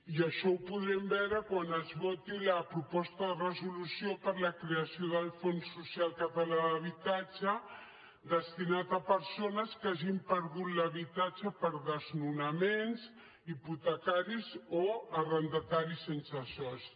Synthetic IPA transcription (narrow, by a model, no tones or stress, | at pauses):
iəʃɔwpuðɾɛmbɛɾəkwanəzβɔt̪iləpɾupɔst̪əðərəzulusiopəɾləkɾeəsioðəlˠfonsusialˠkət̪əlaðəβit̪ad͡ʒə | d̪əst̪inat̪əpəɾsonəskaʒimpəɾðut̪ləβit̪at͡ʃəpəɾðəznunəmens | iput̪əkaɾizoərənd̪ət̪aɾisensəsɔs